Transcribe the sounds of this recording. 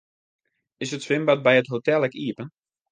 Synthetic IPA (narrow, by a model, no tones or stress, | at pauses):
ɪsətsʋɪmbat̚bɛjətɦotɛlˠɛkiəpən